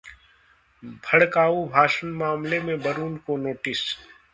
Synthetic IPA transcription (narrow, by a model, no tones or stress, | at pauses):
bʱɐɽkaːubʱaːʃənmaːmlemẽbɐɾuːnkonoːʈɪs